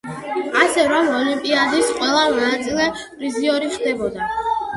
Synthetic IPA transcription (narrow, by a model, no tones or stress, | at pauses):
asɛɾɔmɔlimpʼiad̪isqʼwɛlˠanat̪sʼilɛ | ɾiziɔɾiχd̪ɛbɔd̪a